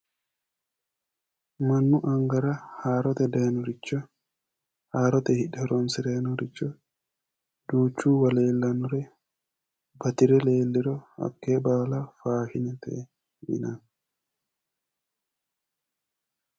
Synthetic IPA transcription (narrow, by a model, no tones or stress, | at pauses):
mɐnːʊʔɐŋɡɐɾɐhaːɾɔt̪ɛd̪eːnɔɾɪt͡ʃːɔ | haːɾɔt̪ɛhɪᶑɛɾɔnsɪɾenɔɾɪt͡ʃːɔ | d̪̥uːt͡ʃːuːwɐleːlːɐnʊɾɛ | bɐt̪ɪɾɛleːlːɪɾɔhɐ̰kːebaːlafaːfɪnɛt̪ɛ̰ | ɪ̰nɐn